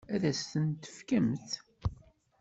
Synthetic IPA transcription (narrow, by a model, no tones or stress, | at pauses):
æðæsθənt̪ə̥fkæmθ